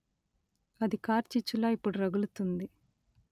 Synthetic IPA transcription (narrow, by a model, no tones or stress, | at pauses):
ɐd̪ikaːɾt͡ʃit͡ʃːulaːipːuɽuɾɐɡulut̪und̪i